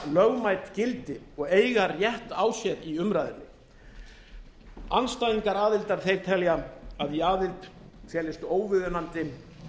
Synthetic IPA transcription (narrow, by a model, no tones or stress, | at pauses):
lœɣmajt̪cɪlt̪ɪɔɣeːjɣarjɛht̪aːwsjɛɾiʏmɾaːjðɪnːɪ | anst̪ajniŋkaɾaːðɪlt̪aɾ̥θejɾ̥t̪ʰɛljaaðjɛaːðɪlt̪ʰjɛːlɪst̪oːwvɪðʏnant̪ɪ